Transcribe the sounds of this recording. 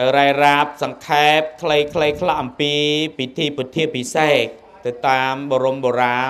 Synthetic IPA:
awɾaɛraːp̚sɑŋkʰaɛp̚kʰləjkʰləjkʰlaʔɑmpiːpit̪ʰiːpit̪ʰiəʔpiseːk̚ | t̪ɨwt̪aːmɓoɾumɓoːɾaː

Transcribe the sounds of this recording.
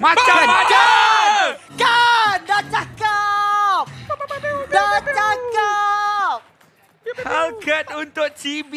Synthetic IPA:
mãaat͡ʃa | kandat͡ʃakap̚ | dat͡ʃaka | p̚ | hakʰət̪unt̪ʊk̚t͡ʃibi

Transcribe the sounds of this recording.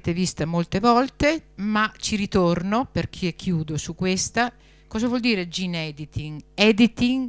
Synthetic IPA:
t̪evist̪amolt̪evɔlt̪emat͡ʃiɾit̪ornoperk̟ʰiɛkʰːjuːd̪osukːwest̪a | kɔːzavwɔld̪iːɾed͡ʒinɛd̪it̪iŋɛd̪it̪iŋ

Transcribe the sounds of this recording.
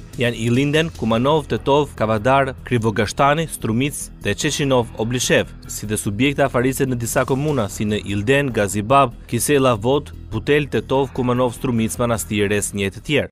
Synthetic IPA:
janilˠind̪ɛnkumanɔvt̪ɛt̪ɔvkavad̪aɾkɾivɔɡaʃt̪anist̪ɾumit͡sðɛt͡ʃɛt͡ʃinɔvɔbliʃɛv | siðɛsubjɛk̚t̪afaɾisɛnəd̪isakɔmunasinəʔild̪ɛnɡazibab̚kisɛlˠavɔt̪ | but̪ɛlt̪ɛt̪ɔvkumanɔvst̪ɾumit͡smanast̪iɾɛsɲɛt̪ət̪jɛɾ

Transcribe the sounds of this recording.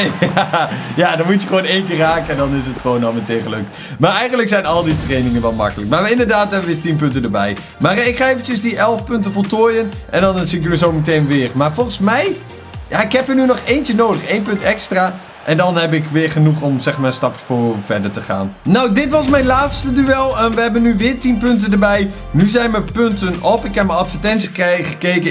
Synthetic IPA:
jajaːdɑnmutjəχəʋoːnejnkɪːraːkəndɑnɪs̬ətχəʋoːnɔlˠmətejnχəlɵk̚t | maːɹɛjχəndləksɛjnɑlˠditrejnɪŋənʋɛlˠmɑ̰kələk̚maːʋəɪndəɹdaːtɦɛbəʋɪːɹtinp̬ɵntəndəɹbɛj | maːrɪkχaːejvəncənzdiʔɛlˠfpʏntəfɔlˠtoːjənʔɛ̰ndɑnsikʋəzowmətejnʋɪːrmaːɹfɔlˠχəsmɛj | jaɪkɦɛpiənynɔχejnt͡ʃənowdəχejnpɵntɛkstraː | ʔɛndɑnɦɛbɪkʋɪːɹχənuχɔmzɛχmaːɹənstɑpjəfʊːvɛɹdəɹtəχa̰ːnnɔwdɪtʋɑsmɛjnlaːtstədyɛlˠəʋəɦɛbənːyʋɪːɹtinpʏntəndəɹbɛj | nyzɛjnʋəpɵntənɔpɪkɦɛp̚məɑtfətɛnsiəkχəkejkə

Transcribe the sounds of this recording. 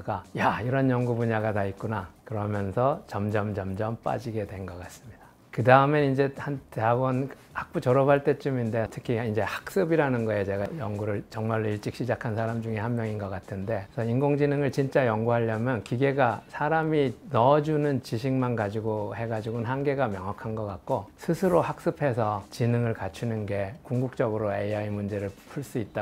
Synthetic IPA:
ɡajaiɾʌnjʌŋɡubuɲaɡatait̚k͈unakɯɾʌmjʌnsʰʌt͡ɕʌmd͡ʑʌmd͡ʑʌmd͡ʑʌmp͈a̰d͡ʑiɡe̞dwe̞nɡʌk͈as͈ɯ̥mɲid̥ḁ | kɯdaɯmeind͡ʑe̞hanteabʌn | hak̚p͈ut͡ɕʌɾʌbʰaɭt͈e̞t͡ɕ͈uminde̞tʰɯ̥kʰiind͡ʑe̞hḁk̚s͈ɯbiɾanɯnɡʌet͡ɕe̞ɡajʌŋɡuɾɯɭt͡ɕʌŋmaɭːoiɭt͡ɕ͈ik̚ɕ͈ʰid͡ʑakʰansʰaɾamd͡ʑuŋe̞hanmjʌŋinɡʌk͈atʰɯnde̞sʰʌinɡoŋd͡ʑinɯŋɯɭt͡ɕint͡ɕ͈ajʌŋɡuɦaʎːʌmjʌnkiɡe̞ɡasʰaɾaminʌd͡ʑunɯnt͡ɕiɕʰiŋmanɡad͡ʑiɡohe̞ɡad͡ʑiɡonɦanɡe̞ɡamjʌŋɦwakʰanɡʌk͈ak̚k͈osʰɯsʰɯɾohak̚s͈ɯpʰe̞sʰʌt͡ɕinɯŋɯɭkat͡ɕʰinɯnɡe̞kuŋɡuk̚t͡ɕ͈ʌɡɯɾoeaimund͡ʑe̞ɾɯɭpʰuɭs͈uit̚t͈a

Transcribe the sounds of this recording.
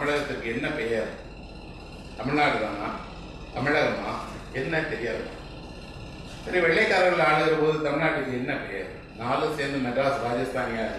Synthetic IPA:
ɐmɪɻɐɣɐt̪ːɯɾkːɯɛnːɐpɛjaːɾɯ | t̪ɐmɪɭnaːʈːɯðaːna̰ː | t̪ɐmɪɻɐɣɐmːaː | ɛnːɐt̪ɛɾɪjaːðɯa̰ː | sɐɾiʋɛɭːɐɪkːaːɾɐnlaːɭɐðɯɾɐpoːðɯt̪ɐmɪɻnaːʈːɯɾkːɯɛnːɐpɛja̰ːðɯ | naːlɯ̃seːɾnd̪ɯnɐʈɾaːsɾaːd͡ʒɐst̪aːŋɐɐ

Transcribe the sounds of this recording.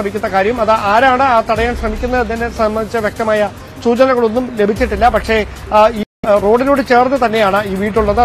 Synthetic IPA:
ɐmikʲːunːɐkaːɾjɐmɐðɨʔaːɾaːɳɨaːt̪ɐɽɐjaːnɕrɐmikʲːunːɐðinːesɐmbɐnd̪it͡ɕːɨʋjek̚t̪ɐmaːjɐ | suːt͡ɕɐnɐɣɐɭo̞nːumle̞bʱit͡ɕːiʈːilːɐpɐkʂe̞iːro̞ːɖino̞ːɽɨt͡ɕe̞ːrnɨt̪ɐnːe̞jaːɳɨiːʋiːʈːuɭːɐðɨ

